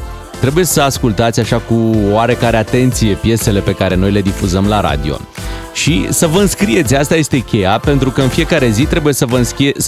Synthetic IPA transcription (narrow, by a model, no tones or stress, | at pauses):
t̪ɾe̞buje̞səaskult̪at̪sʲaʃakuaɾe̞kaɾe̞at̪e̞nt̪sije̞pje̞se̞le̞pe̞kaɾe̞no̞jle̞d̪ifuzəmlaɾa̰d̪io̞̰ | ʃḭsəvəɨnskɾije̞t̪sʲast̪aje̞st̪e̞kʲe̞jape̞nt̪ɾukəɨnfije̞kaɾe̞zit̪ɾe̞buje̞səvəɨnsie